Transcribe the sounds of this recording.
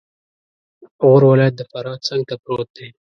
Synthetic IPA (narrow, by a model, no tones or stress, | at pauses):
ɣoɾwalɑjat̪̚d̪əfaɾɑt͡səŋɡ̚t̪apɾot̪̚d̪e